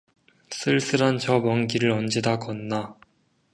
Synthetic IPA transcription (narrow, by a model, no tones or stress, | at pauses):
s͈ɯɭs͈ɯɾant͡ɕʌbʌŋɡiɾɯɾʌnd͡ʑidakʌnːa